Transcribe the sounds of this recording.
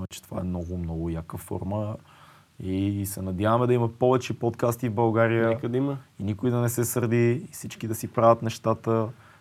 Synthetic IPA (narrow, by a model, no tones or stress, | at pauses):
ɛt͡ʃɛ̥t̪o̥va̰ɛmnɔɡʊmnɔɡʊjakəfɔ̰ɾmə | isɛnɐd̪ʲjavɐmɛd̪ɐiməpɔvɛt͡ʃɛpɔt̪kast̪ivbɐlˠɡaɾijəkəd̪iməinikʊid̪ɐnɛsɛsəɾd̪isit͡ʃkid̪ɐsipɾavʲət̪nɛʃt̪at̪ə